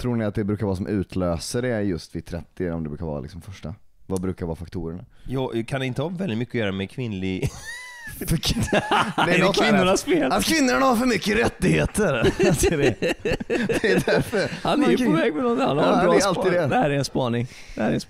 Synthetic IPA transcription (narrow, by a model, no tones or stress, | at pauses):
t̪ʰɾuːnɪat̪̚d̪ɛbɾʉ̟ːkaɾɑːɾasɔmʔʉ̟ːt̪ʰløːsəɾɛjɵst̪vɪt̪ʰɾɛt̪ːɪɔ̰md̪ɛbɾʉ̟ːkaɾvɑ̰ːa̰lɪksɔmfœʂʈavabɾʉ̟ːkaɾvɑːfak̚t̪ʰuːɾəɳajɑːkʰanɛɪnt̪əhɑvɛld̪ɪt̪mʏkːɔjœːɾamɛkʰvɪnlɪɡ̪ | d̪ɛnt̪kʰɪnnːʊɳasfeːlat̪kʰvɪnːʊɳahaɾfœɾmʏkːəɾɛt̪ːɪheːt̪əɾdɛ | dɛd̪æɾfəɾhanɛjɔvɛːɡ̚mɛnɔnt̪ɪhanhaɾɾɛalt̪iːdd̪ɛd̪ɛhæːɾɛɾɛnspɑːnɪŋ | d̪ɛhæːɾɛn